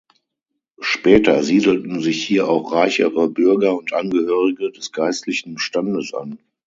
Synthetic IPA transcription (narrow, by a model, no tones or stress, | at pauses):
ʃpɛːtɐziːdl̩tn̩zɪçhiːɐʔa̰ʊχʁaɪçə̰ʁəbʏɐɡɐʊntʔanɡəhøːʁɪɡədɛsɡ̥aɪstlɪçn̩ʃtandəsʔa̰n